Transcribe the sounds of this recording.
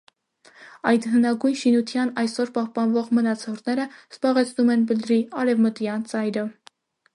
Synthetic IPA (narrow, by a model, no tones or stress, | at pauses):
ɑjd̪ɦənɑɡujnʃinut̪ʰjɑnɑjsɔɾpɑhpɑnvɔʁmənɑt͡sʰɔɾt̪nɛɾəz̥bɑʁɛt͡sʰnumɛnbəld̪ɾiɑɾɛvmət̪jɑnt͡sɑjɾə